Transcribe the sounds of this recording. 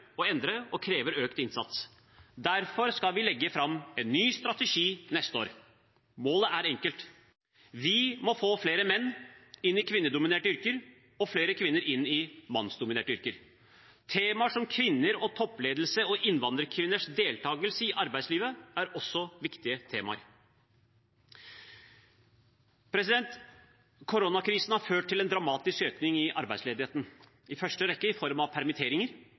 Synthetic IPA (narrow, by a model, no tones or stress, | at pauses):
ɔɛnd̪ɾəɔkʰɾeːʋəɾøːkt̪ɪnsɑ̰t̪s | d̪æɾfɔɾskɑlʋɪlɛɡːəfɾɑmːɛnːyːst̪ɾɑt̪əʂiːnɛst̪əo̰ːɾ | moːləʔæɾɛŋkəlt̪ | ʋɪmɔfoːfleːɾəmɛnːɪnːɪkʰʋɪnːəɖ̪ʊmɪneːʈəʏɾkəɾ | ɔfleːɾəkʰʋɪnːəɾɪnːɪmɑnsd̪ʊmɪneːʈəʏɾkəɾ | t̪ʰeːmɑʂɔmkʰʋɪnːəɾɔt̪ʰɔpːleːd̪l̩səɔʔɪnːʋɑnd̪ɾəɾkʰʋɪnːəʂd̪eːlt̪ʰɑːɡəlsəɪʔɑɾbæɪsliːʋəæɾɔsːɔʋɪkt̪ɪət̪ʰeːmɑ̰əɾ | pʰɾɛsɪd̪ɛnt̪ | kʰʊɾonɑkʰɾiːsnhɑɾføːʈ̚t̪ːɪlɛnd̪ɾɑmɑːt̪ɪskøːknɪŋɪʔɑ̰ɾbæɪsleːd̪ɪheːt̪n̩ | ɪfœʂʈəɾɛkːəɪfɔɾmɑʋpʰæɾmɪt̪ʰeːɾɪŋəɾ